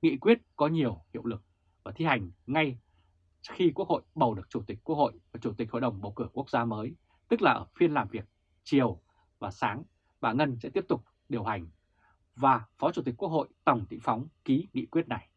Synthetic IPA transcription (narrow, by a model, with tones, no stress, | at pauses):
ŋḭ˧˨kwi˦˥ət̚kɔ˨˦ɲi˨˩əwhḭ˧˨əwlɨ˨˩k̚ | vaː˨˩t̪ʰi˧ha˨˩jŋ̟ŋa˧j | xi˧ku˦˥ək̚ho̰˧˨jɓə˨˩wɗɨ˨˩ək̚t͡ɕu˧˩t̪ï˨˩k̟̚kːu˦˥ək̚ho̰˧˨jvaː˨˩t͡ɕu˧˩t̪ï˨˩k̟ho̰˧˨jɗə˨˩wŋ͡mɓə̰˧˩wkɨ˧˩ku˦˥ək̚zaː˧məː˨˦j | t̪ɨ˦˥k̚laː˨˩ʔəː˧˩fi˧ənlaː˨˩mvi˨˩ək̚ | t͡ɕi˨˩əw | vaː˨˩saː˨˦ŋ | ɓaː˧˩ŋə˧nsɛ̰˧˥t̪i˦˥əp̚t̪ʊ˨˩k͡p̚ | ɗi˨˩əwha˨˩jŋ̟ | vaː˨˩fɔ˨˦t͡ɕu˧˩t̪i˨˩k̚ku˦˥k̚ho̰˧˨jt̪ə˨˩wŋ͡mt̪ḭ˧˥ŋ̟fa˨˦wŋ͡mki˨˦ŋḭ˧˨kwi˦˥ət̚na˨˩j